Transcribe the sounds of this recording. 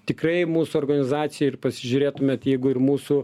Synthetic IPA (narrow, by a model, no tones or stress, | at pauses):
t̪ʲɪkrɐɪmuːsʊɔːrɡɐnʲɪzɑːt̪sʲɪjɛɪrpɐsʲɪʒʲʊɾʲeːt̪ʊmʲeːt̪jɛɪɡʊɪrmuːsu